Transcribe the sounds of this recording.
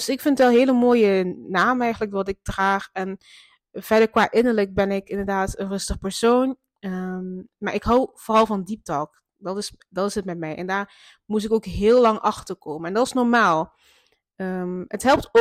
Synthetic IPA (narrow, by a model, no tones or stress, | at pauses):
sɪkfɪntʋɛlˠɦeːləmoːjənaːmɛjχənləkdɑtɪk̚traːxɛn | vɛɹdəɹkʋaːʔɪnəɹlək̚bɛnɪkɪndəɹdaːtənrɵstəχəpəɹsoːn | əmaːɹɪkɦɔwv̥oːrɑlˠvɑndip̚tɔːk | dɑtɪs | dɑtɪsətmɛtmɛjʔɛ̰ndaːɹ | mus̬ɪkokɦɪːlˠɑŋʔɑxtəɹkoːmənɛndɔɑtɪsnɔɹmaːlˠ | əətɦɛlˠp̚to